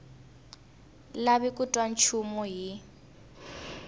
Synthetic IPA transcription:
laβikʼutʼwan̩t͡ʃʰumɔɦi

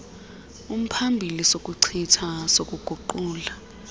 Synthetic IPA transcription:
um̩pʰambʱilisokʼuǀʰitʰasokʼuɡ̥ʱuǃuːla

